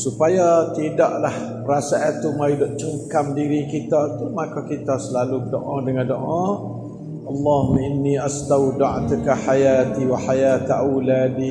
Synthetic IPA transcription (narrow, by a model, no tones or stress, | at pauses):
supajat̪idaʔlah | əɾasaʔat̪umajudɔʔt͡ʃəŋkamdiɾikit̪at̪umakakit̪asəlaluədoʔadəŋãndoʔa | ʔɑlːɑhumaɪnːiast̪awdaʕt̪ukaħajat̪iwaħajat̪ʔawladi